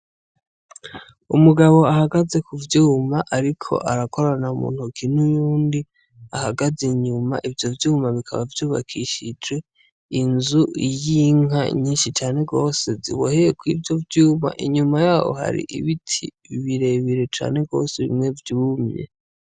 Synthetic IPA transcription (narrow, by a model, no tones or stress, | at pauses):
umuɡaβo̞ahaɡaze̞kuvjuːmaʔaɾikʰo̞̰ʔaɾako̞ɾanaumṵːn̥hukin̥ujuːndi | ahaɡaziɲuma̰ʔivjo̞vjuːmaβikʰa̰βavjuːβa̰kʰiʃid͡ʒɡe̞ | inzuʔijiŋa̰ɲiːnʃit͡ʃaːne̞ɡo̞ːse̞zḭβohejekwiːvjo̞vjuːma̰ʔiɲumajaːho̞̰ha̰ɾḭʔḭβitʰi | βiɾe̞βiɾe̞t͡ʃa̰ːne̞ɡo̞̰ːse̞βḭmŋe̞vjuːmɲḛ